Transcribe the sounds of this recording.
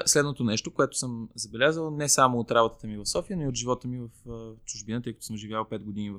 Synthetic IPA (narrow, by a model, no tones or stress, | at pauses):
slɛd̪not̪onɛʃt̪okoɛt̪ʊ̥səmzɐbɛlʲazəlˠnɛsamoot̪ɾabot̪ə̥t̪əmivɐfsɔfiənoiot̪ʒivɔt̪əmivɐft͡ʃʊʒbinət̪ɤjkət̪o̥ʊsəmʒivʲjalˠpɛd̪̚ɡod̪inivɐ